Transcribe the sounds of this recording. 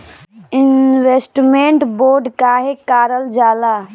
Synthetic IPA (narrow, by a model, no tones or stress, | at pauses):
ɪnʋesʈmẽɳʈboːɾɖkaːɦekaːɾəld͡ʒaːlaː